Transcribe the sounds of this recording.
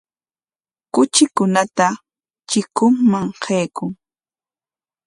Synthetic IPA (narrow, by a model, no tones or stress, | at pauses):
kʊt͡ʃɪkʊnat̪a | t͡ʃɪkʊŋmaŋqʰejkʊŋ